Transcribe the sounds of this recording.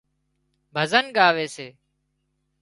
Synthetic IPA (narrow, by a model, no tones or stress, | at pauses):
bʱəzənɠaːʋeːseː